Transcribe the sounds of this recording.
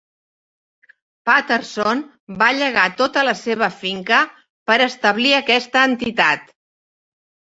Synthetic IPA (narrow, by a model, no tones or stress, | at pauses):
pat̪əɾson | baʎəɣat̪ot̪ələseβ̞əfiŋkə | pəɾəst̪əβliəkɛst̪əːnt̪it̪at̪